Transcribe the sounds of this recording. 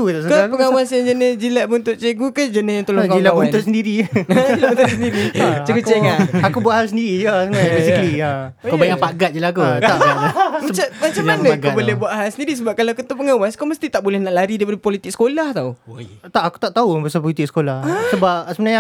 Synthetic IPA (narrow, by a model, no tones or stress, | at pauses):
t̪ut̪aʔsəkapəŋawasjaŋd͡ʒənɪsd͡ʒilaʔbunt̪ʊʔ̪̚t͡ʃeɡukəd͡ʒənɪjat̪olokailawbuanʊsəndiɾiailabunt̪ʊt̚səndiɾit͡ʃəɡueŋanakubuaʔhalsəndiɾid͡ʒasəmənaɲabesiklia | kobajaŋpaɡat̪̚d͡ʒəlakuamat͡ʃamat͡ʃamanəɡkabolɛhbuaʔ̪ɦalsəndiɾis̬əbap̚kalaakut̪upəŋawaskoməst̪it̪aʔbolɛhnaʔlaɾidaipadəpolit̪ɪk̚sə̥kolaht̪aot̪aʔaku̥t̪aʔt̪aubəsap̬ɔlit̪ɪk̚sə̥kolahasəbap̚səbənaɲa